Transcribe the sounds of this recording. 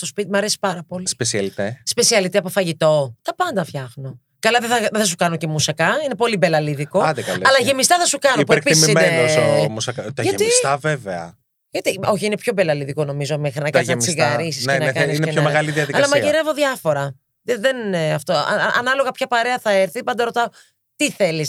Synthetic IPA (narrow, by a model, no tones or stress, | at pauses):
st̪o̞spit̪imɐɾesi̥pɐɾɐpo̞lispesiɐlit̪espe̞siɐlit̪iɐpofɐʝit̪o̞t̪ɐpɐnd̪ɐfçɐxno̞ | kɐlɐðeθɐðeθɐs̬ukɐnoce̞musɐkɐine̞po̞libelɐliðiko̞ɐd̪ekɐlɐlɐʝe̞mist̪ɐθɐsukɐnop̬ueɾkpiisisineenosomusɐkɐt̪ɐʝɐet̪ist̪ɐveveɐ̰ | ʝɐt̪io̞çiine̞pço̞be̞lɐliðiko̞no̞mizo̞mexɾinɐkɐsznɐt͡ssiɣɐɾisissnenɐkɐniisineenomeɣɐliðiɐðikːɐɐlɐmɐʝiɾe̞voðʝɐfo̞ɾɐ | ðeðenineɐft̪oɐ̰ɐ̰ʔɐnɐlo̞ɣɐpçɐpɐɾe̞ɐθɐeɾθipɐnd̪ɐɾo̞t̪ɐo | t̪iθe̞lis